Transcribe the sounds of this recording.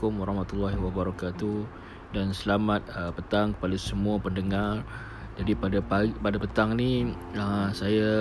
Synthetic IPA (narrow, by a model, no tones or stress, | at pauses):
ʊmwaɾɑhmat̪ulːaɦiwabəɾakat̪uh | dansəlamat̪̚əpət̪aŋkə̥palasəmuapəndəŋar | d͡ʒadipadapapadapət̪aŋniəsaja